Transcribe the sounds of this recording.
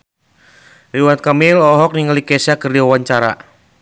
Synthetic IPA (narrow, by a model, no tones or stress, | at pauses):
riwat̪̚kamɪlɔɦɔk̚niŋalikɛsakərdiwawaɲt͡ʃaɾa̰